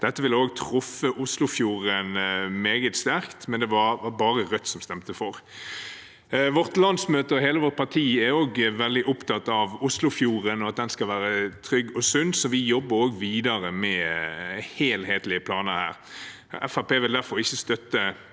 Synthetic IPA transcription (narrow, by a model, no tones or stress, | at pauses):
d̪̥ɛt̪ːəʋɪlːəoːɡt̪ʰʁʊfːəʔʊslʊfjuːʁənmeːɡət̪st̪æɾkt̪mɛnd̪ɛʋɑʋɑbɑːʁəʁœt̪ːsɔmst̪ɛmt̪əfɔɾ | ʋɔʁt̪lɑnsmøːt̪əɦeːləʋɔʁt̪̚pʰɑt̪ʰiːæɾoːɡʋɛld̪ɪʔʊpt̪ɑt̪ːɑʋʊslʊfjuːʁənɔɑt̪̚d̪ɛnskɑʋæːɾət̪ʰɾʏɡːɔsʉnsɔʋɪjɔbːəɾoːɡʋiːd̪ɑɾəmɛ | heːlheːt̪lɪəpʰlɑːnəhæ̰ːʁ | ɛfæpeːʋɪld̪æɾfɔɾɪçːəst̪œt̪ːə